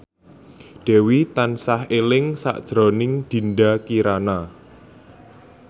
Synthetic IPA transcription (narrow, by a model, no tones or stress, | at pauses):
ɖ̥ɛ̤wit̪ansahelɪŋsa̰ʔd̥ʒ̥ɾɔnɪŋd̪̥i̤ndakiɾana